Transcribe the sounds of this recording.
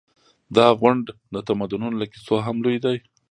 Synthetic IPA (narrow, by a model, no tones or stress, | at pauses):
d̪ɑɣwʊɳɖd̪ət̪amad̪ʊnʊnlakisoɦamlujd̪aj